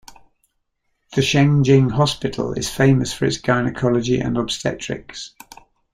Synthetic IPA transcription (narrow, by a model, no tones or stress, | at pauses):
ðəʃẽɪ̃nd͡ʒɪ̃ŋɦɒspɪtʰˡə̰lɪ̰z̥fẽɪ̃məsfəɹɪ̰tsɡ̥ɑɪnɪkʰɒləd͡ʒiʔə̰̃nɒb̥stɛ̰t͡ʃɹ̥ɪ̰ks